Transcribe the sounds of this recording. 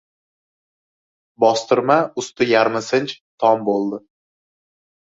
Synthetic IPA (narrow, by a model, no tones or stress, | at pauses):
bɒst̪ɪɾmaʊst̪ʊjaɾmasɪnt͡ʃt̪ʰɒmbolˠd̪ɪ